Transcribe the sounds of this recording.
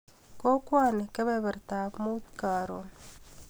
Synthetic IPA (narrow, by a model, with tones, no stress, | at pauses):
ko˦kwa˦ne˨ke˦βeβe˨ɾt̪a˨mu˦t̪ka˨ɾo